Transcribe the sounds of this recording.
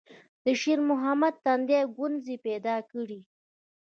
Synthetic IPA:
d̪əʃeɾmʊɦamad̪̚t̪and̪jɑɡʊnzipɛd̪ɑkəɽi

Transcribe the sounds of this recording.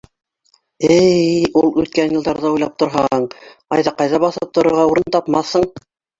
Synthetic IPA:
ɘjulˠʉt̪̚kænjɤ̆lˠd̪ɑɾðɑujlˠɑp̚t̪ŏɾɦɑɴɑjðɑqɑjðɑβɑθɤp̚t̪ŏɾŏɾʁɑuɾɤnt̪ɑpmɑθhɤɴ

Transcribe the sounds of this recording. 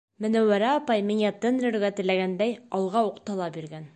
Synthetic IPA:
mɘ̆næwæɾæɑpɑjmiŋæt̪ɘ̆nɾɘ̆ɾɡæt̪ɘ̆læɡænd̪æjɑlˠʁɑuqt̪ɑlˠɑpbiɾɡæn

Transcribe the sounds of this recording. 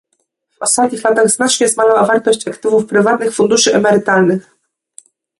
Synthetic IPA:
v̥ɔst̪at̪̚ɲixlat̪aɣznat͡ʂɲɛzmalawavaɾt̪ɔɕt͡ɕakt̪ɘvufpɾɘvat̪nɘxfund̪uʂɘʔɛmɛɾɘt̪alnɘx

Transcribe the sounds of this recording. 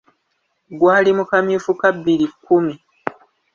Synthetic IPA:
ɡwaːlimukamifukabːilikːumi

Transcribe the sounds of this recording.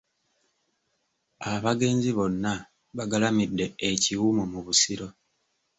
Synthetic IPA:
aβaɡe̞ːnziβo̞nːa | βaɡalamidːe̞eciwumomuβusiɾo̞

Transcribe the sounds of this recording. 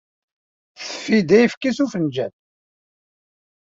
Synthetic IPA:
θə̥fːid̪æjfkisufənd͡ʒæθ

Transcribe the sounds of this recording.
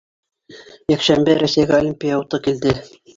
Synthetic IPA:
jækʃæmbɘɾæsæjɡæolʲimʲpʲijaut̪ɤkild̪ɘ

